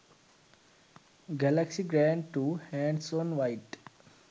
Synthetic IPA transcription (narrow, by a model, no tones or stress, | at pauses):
ɡɛləksiɡɾæ̃ɳɖ̚ʈuhæ̃nsõːnʋaɪʈ